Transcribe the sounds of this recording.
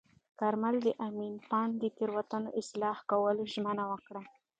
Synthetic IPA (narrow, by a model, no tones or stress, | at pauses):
kaɾmald̪əʔaminpɑnd̪ət̪eɾwat̪anoʔɪslɑhkawəloʒmənawəkɽa